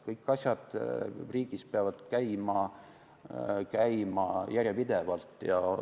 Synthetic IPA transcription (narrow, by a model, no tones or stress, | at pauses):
kɤjkːˑɑsʲjɑd̪̥riːɡ̥ispeɑvɑd̪̥kæjmɑ | kæjmɑjærʲjepid̪evɑlt̪ːˑjɑ